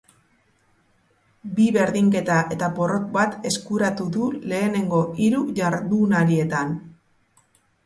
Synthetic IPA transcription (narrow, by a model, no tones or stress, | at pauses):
biβe̞ɾðiŋke̞t̪aʔe̞t̪apo̞ro̞k̚bat̪e̞skuɾat̪uðule̞ːne̞ŋɡo̞iɾuʝaɾðunalie̞t̪an